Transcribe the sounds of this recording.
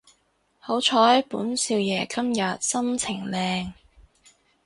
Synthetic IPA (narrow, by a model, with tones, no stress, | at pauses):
ho˨˥wt͡ʃʰɔː˨˧jɐ˨˥puː˨˥nsiː˧wjɛː˨˩kɐ˥mjɐ˨t̚sɐ˥mt͡sʰɪ˨˩ŋlɛː˧ŋ